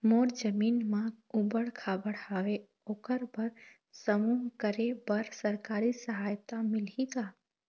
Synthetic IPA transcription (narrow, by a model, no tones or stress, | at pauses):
moːɾd͡ʒəmiːnmãubəɽkʰaːbəɽhaːʋe | oːkəɾbəɾ | səmuːɦkəɾebəɾsəɾkaːɾisəɦaːjt̪amɪlik̪a